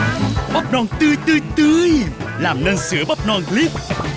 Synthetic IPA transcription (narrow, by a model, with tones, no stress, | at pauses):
ɓp̚nɔ˧nt̪ɨ˧jt̪ɨ˧t̪ɨ˧jlaː˨˩mnəː˧nsɨ̰˨˧˦əɓə˦˥p̚nɔ˧nli˦˥p̚